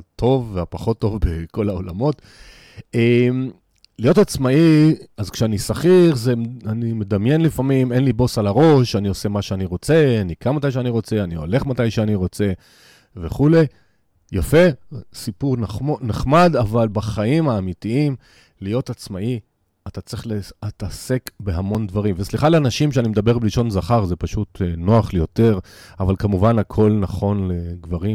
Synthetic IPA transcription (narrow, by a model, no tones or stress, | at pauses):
tʰo̞vːeapaχo̞tːo̞vbeko̞lao̞lamo̞t | em | lijo̞tat͡smaiazkʃeanisaχiχzeanime̞damje̞nlifamime̞nlibo̞salaʁo̞ʃanio̞se̞maʃeaniʁo̞t͡se̞anikanmat̪ajʃ̬eaniʁo̞t͡se̞anio̞̰le̞χmatajʃeaniʁo̞t͡se̞ | veχule̞j | jafe̞sipuʁnoneχmad̪avalbaχaimaːmitiim | lijo̞tat͡smaʔi | at̪at͡sʁiχleat̪ase̞kbeɦamo̞nd̪vaʁimvesliχaleanaʃimʃeanimed̪abe̞ʁbeliʃo̞nzaχaʁze̞paʃut̪no̞aχlejo̞te̞ʁ | avalkamuvanakʰo̞lnaχo̞nle̞ɡvaʁi